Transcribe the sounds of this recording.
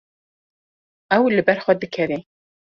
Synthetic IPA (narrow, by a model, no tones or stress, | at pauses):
ɛwlɨbɛɾxʷɛd̪ɨkʰɛɾe